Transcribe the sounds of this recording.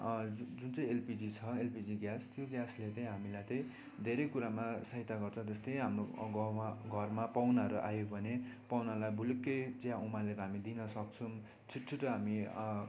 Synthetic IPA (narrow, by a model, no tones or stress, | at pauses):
d͡zunt͡sʌĩelpid͡zit͡sʰʌelpid͡ziɡjast̪joɡjaslet̪ʌj̃ɦamilajt̪ʌ̃j̃ | d̪ʱeɾʌjkuɾamasʌɦit̪aɡʌrt͡sʰʌt̪est̪ʌjɦamroɡaɡʱʌrmapawnaʌɾuʔa̰joɡbʱʌnepawnalajbʱulekːejd͡zãumaleɾɦamid̪inʌsʌk̚t͡sʰum | t͡sʰiʈt͡sʰuʈʌɦami